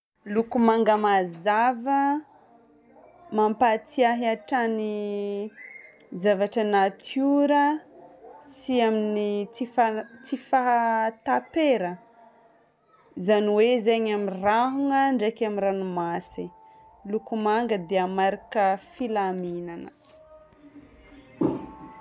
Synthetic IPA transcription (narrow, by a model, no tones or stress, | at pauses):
lukumaŋɡəmazavə | mampat͡siaɦiaʈ͡ʂani | zavaʈ͡ʂənat̪ʰuɾə | siaminit͡sifat͡sifaɦt̪apeɾə | zaniwezeɲamiraɦuŋəɳɖ͡ʐekamiranumasi | lukumaŋɡəd̪eamaɾikəfilaminanə